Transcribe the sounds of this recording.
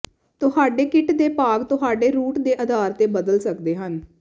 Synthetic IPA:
t̪ʊɦaːɖeːkɪʈd̪eːpaːɡt̪ʊɦaːɖeːɾuːʈd̪eːʔəd̪aːɾt̪eːbəd̪əlsəkd̪eːɦən

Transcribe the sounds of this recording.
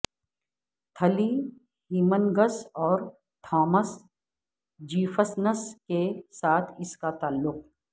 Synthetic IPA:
t̪ʰɐli | hiːmənɡəsɔːɾ | t̪ʰaːməs | d͡ʒiːfəsnəskesaːt̪ʰɪskat̪aːlːʊq

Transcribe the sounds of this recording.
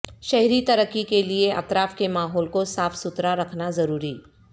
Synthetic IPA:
ʃɐɦɾit̪ɐɾəkːikelieʔɐ̰t̪ɾaːfkemaːɦɔːlkosaːfsʊt̪ɾaɾɐkʰnazɐɾuːɾiː

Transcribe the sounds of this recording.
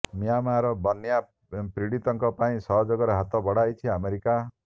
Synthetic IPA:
mijamaɾɔbɔnja | pɾiɽit̪ɔŋkɔpaĩsɔɦɔd͡ʒɔɡɔɾɔɦat̪ɔbɔɽ̤ajt͡ʃʰiameɾika

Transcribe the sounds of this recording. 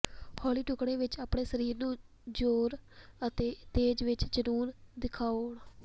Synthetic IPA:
hʰɔːliːʈʊkɽẽːʋɪt͡ʃaːpɳeːsəɾiːɾnũː | d͡ʒoːɾət̪eːt̪eːd͡ʒʋɪt͡ʃd͡ʒəɾuːɾd̪ɪkʰaːʊɳ

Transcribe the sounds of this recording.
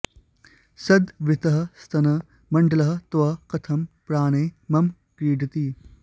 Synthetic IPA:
sɐd̪ʋɪt̪ɐɦɐst̪ʰɐnɐ | mɐɳɖɐlɐɦɐt̪ʋɐkɐt̪ʰɐmpɾaːñeːmɐm | kɾiːɖit̪iː

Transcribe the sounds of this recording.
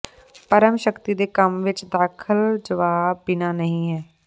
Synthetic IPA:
pəɾəmʃəkt̪iːd̪eːkəmʋɪt͡ʃd̪aːkʰəld͡ʒəʋaːbɪnaːnəɦĩːɦɛː

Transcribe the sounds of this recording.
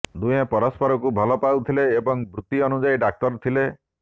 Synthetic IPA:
d̪ujɔ̃pɔɾɔspɔɾɔkubʱɔlɔpawt̪ʰileːbɔŋbɾut̪iɔnud͡ʒajɖak̚t̪ɔɾt̪ʰile

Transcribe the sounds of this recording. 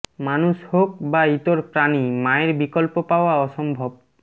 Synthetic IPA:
manuʃhok̚bait̪oɾpɾanimaeɾbikɔlpopaoaɔʃɔmbʱob̚

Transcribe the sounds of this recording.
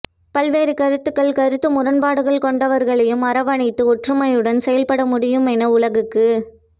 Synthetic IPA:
pɐlʋeːɾɯkɐɾɯt̪ːɯkːɐɭkɐɾɯt̪ːɯmʊɾɐnbaːɽɯɣɐɭkɔɳɖɐʋɐɾɣɐɭɐjɯmɐɾɐʋɐɳɪt̪ːɯɔʈrɯmɐjɯɽɐnsɛjɐlpɐɽɐmʊɽɪjɯmɛnɐʊlɐɣɯkːɯ

